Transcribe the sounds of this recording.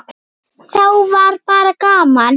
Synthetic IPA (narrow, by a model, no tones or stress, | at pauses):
rauvaɾipaɾakaːman